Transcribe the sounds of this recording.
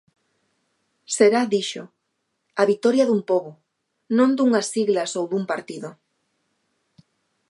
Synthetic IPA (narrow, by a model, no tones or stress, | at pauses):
seɾaðiʃo | aβit̪ɔɾjaðumpoβo | nõnd̪uŋasiɣlasowðumpaɾt̪iðʊ